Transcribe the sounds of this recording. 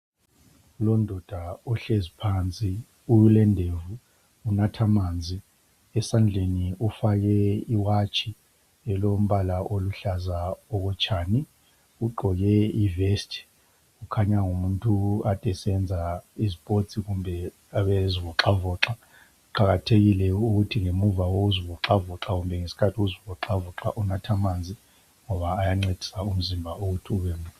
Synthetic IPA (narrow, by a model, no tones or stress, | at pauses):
lɔndʱɔd̥ʱaɔɬezipʰant͡sʼi | ulɛndʱevuː | natʰamaːnd͡zʱi | ɛsand͡ɮʱeniufak̬ɛiwat͡ʃʼʰi | ɛlom̩ɓalaʔoluɬazaɔkɔt͡ʃʼʰaːni | uɡ͡ǃʱɔjɛivɛstʰʼ | ɣukʰaɲaŋumuntʼuatʼɛsɛnd͡zʱaizipʼot͡sʼiɣumbʱɛ | aβeziβɔǁavɔːǁa | ǃaɣatʰeɣilɛuɣutʰiŋemuvawouzivɔǁavɔǁaɣumbʱɛŋesi̥kʰatʰiɣuzivɔǁavɔǁa̰ʔunatʰamaːnd͡zʱi | ŋɔβaːjaŋ͡ǀed̥ʱi̥saum̩zimbʱauɣutʰiuβɛmu